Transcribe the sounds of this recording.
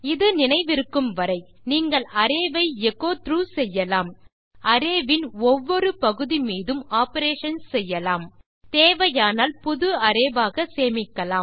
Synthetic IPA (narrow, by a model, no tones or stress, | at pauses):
ɪðɯnɪnɐɪʋɪɾɯkːɯmʋɐɾɐɪ | niːŋɡɐɭɐɾeːʋɐɪɛɣoːt̪ɾuːsɛjːɐlaːm | ɐɾeːʋɪnɔʋːɔɾɯpɐɣɯðimiːðɯmaːpɐɾeːʂɐnsɛjːɐlaːm | t̪eːʋɐjaːnaːlpʊðɯɐɾeːʋaːɣɐseːmɪkːɐlaː